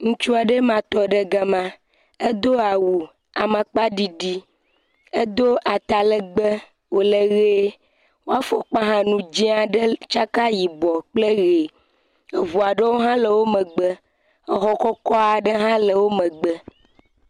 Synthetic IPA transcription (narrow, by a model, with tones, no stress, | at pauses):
ŋũ˦t͡ʃu˦a˨ɖe˦mã˨t̪ɔ˨˦ɖə˦ɡa˨mã˦ | e˦d̪o˦a˨wu˨ | a˨mã˨k͡pa˦ɖi˦ɖi˦ | e˦d̪o˦ʔa˨t̪a˨lə˨ɡ͡bə˦ | wo˨le˦ɣe˦ | wo˦a˦fo˨k͡pa˦ɦã˦nũ˨d͡ʒi˦a˨ɖə˦t͡ʃa˦ka˦ji˨bɔ˨k͡ple˦ɣe˨ | e˨vu˨a˨ɖe˦wo˦ɦã˦lə˨wo˦mə̃˨ɡ͡bə˦ | e˨ɦɔ˨kɔ˦kɔ˦a˨ɖə˦ɦã˦lə˨wo˦mə̃˨ɡ͡bə˦